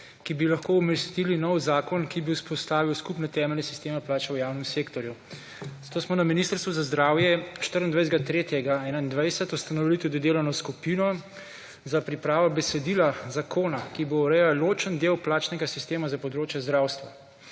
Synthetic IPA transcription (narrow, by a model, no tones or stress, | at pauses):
kibilaxkouməɾst̪ilinɔwzaːkɔnkibiuspɔst̪aːʋiwskupnɛt̪ɛːmɛlnɛsi̥st̪eːmɛplaːt͡ʃɛwjaːwnɛmseːkt̪ɔɾju | z̥at̪oːsmɔnaminist̪əɾst̪ʋuzazd̪ɾaːwjɛʃt̪əɾənd̪ʋɛjzɡat̪ɾeːt̪jɛɡaɛnaind̪ʋajsɛt̪ust̪anɔʋilit̪ud̪id̪eːlɔnɔskupiːnɔ | zapɾipɾaːʋabɛsɛd̪ilazakʰoːnakibouɾɛjawlot͡ʃənd̪ewplaːt͡ʃnɛɡasist̪eːmazapɔd̪ɾoːt͡ʃjɛzd̪ɾawst̪ʋa